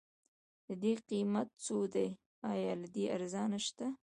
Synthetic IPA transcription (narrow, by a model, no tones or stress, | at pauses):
d̪̥əd̪eqimat̪̚t͡sod̪aj | ɑjɑlad̪eʔaɾzɑnaʃt̪a